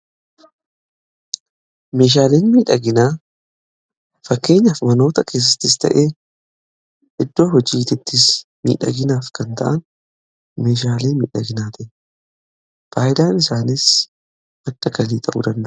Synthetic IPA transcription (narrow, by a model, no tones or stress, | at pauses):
me̞ːʃ̬aːleːnmiːᶑɐɡɪnaː | fɐkːe̞ːɲːɐfmɐno̞ːt̪ɐke̞ːs̬ːɐt̪ːɪst̪ɐ̰ʔeː | ʔɪd̪ːo̞ːhɔd͡ʒiːt̪ɪt̪ːɪsmḭːᶑɐ̰ɡɪnaːfkɐnt̪ɐ̰ʔɐn | me̞ːʃaːleːnmḭːᶑɐɡɪnaːt̪ɪʔ | faːjɪd̪aːnɪsaːnɪs | ɐdːɐkɐliːt̪ʰʼɐʔṵːd̪ɐnd̪ɐʔʊ